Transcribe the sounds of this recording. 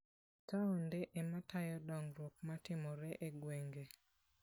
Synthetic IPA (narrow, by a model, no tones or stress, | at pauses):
taɔndeʔematajɔdɔŋɾokmatɪmɔɾɛʔeɡweŋɡe